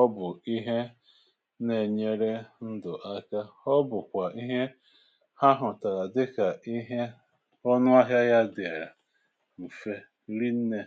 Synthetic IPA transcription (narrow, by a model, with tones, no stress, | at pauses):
ɔ˦bʊ˨i˦ɦe˦ | ne˨ɲe˦ɾe˦n̩˦dʊ˨ʔa˦ka˦ɔ˦bʊ˨kʷa˨ʔi˦ɦe˦ | ha˦ɦʊ˨ta˨ɾa˨dɪ˦ka˨ʔi˦ɦe˦ | ɔ˦nʊ˦a˦ɦja˦ja˦dɪ˨a˨ɾa˨ | m̩˨fe˦ | ɾi˦n̩˦ne˨